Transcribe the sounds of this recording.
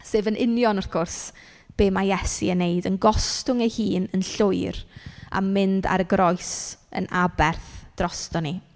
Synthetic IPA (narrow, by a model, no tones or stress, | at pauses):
seːvənʔɪnjɔnɔɾkʰʊrs | b̥eːmajɛsiənːeɨdənɡɔstʊŋɛhiːnənɬʊɨɾa̰mːɪnda̰ɾəɡɾʔɔjsə̰nʔabɛrθd̥rɔstɔni